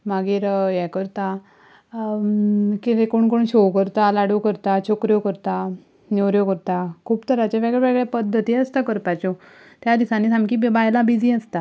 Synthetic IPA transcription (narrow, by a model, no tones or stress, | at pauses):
maɡiːɾjɛkəɾt̪a | kit̪ekoɳkoɳɕokəɾt̪alaɽukəɾt̪at͡ɕʰokɾjokəɾt̪a | newɾjokəɾt̪akʰuːbt̪əɾat͡ɕaʋeɡɭɛʋeɡɭapəd̪ʱːət̪iəst̪akəɾpat͡ɕɔ | t̪jad̪isãnːiːt̪amkibajlabid͡ziəst̪a